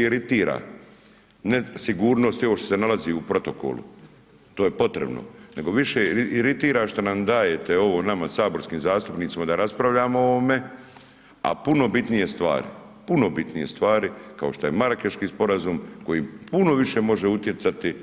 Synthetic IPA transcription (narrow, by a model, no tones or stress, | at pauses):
iɾit̪iːɾa̰ː | nesiɡuːɾno̞ːst̪io̞ʋoʃt̪o̥senalaziupɾo̞t̪o̞ko̰lṵ | t̪o̞ːje̞po̞t̪ɾḛbno̰ne̞ɡo̞ʋiʃeiiɾit̪iːɾaʃt̪onamd̪aːje̞t̪e̞o̞ʋo̞namasaːbo̞ɾskiːmzaːst̪upnit̪imad̪aɾaspɾaʋʎaːmoo̞ʋome̞ | a̰puno̞bit̪nije̞st̪ʋa̰ːɾḭ | puno̞bit̪nije̞̰st̪ʋaːɾikao̞ʃt̪ojemaɾakeʃkiːspo̞ɾazuːmko̞jipuno̞ʋiʃe̞mo̞ʒeut̪je̞t̪sat̪i